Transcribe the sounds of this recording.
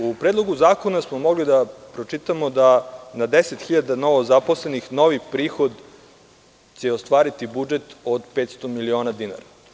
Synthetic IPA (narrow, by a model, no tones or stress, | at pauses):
upɾeːd̪lˠo̞ɡuzaːko̞nasmomo̞ɡlid̪apɾo̞t͡ʃit̪amod̪anad̪eset̪xiʎad̪ano̞ʋozaposlenixno̞ʋipɾiːxo̞d̪ | t͡ɕeost̪ʋaːɾit̪ibud͡ʒet̪od̪pet̪st̪o̞milio̞ːnad̪ina̰ɾa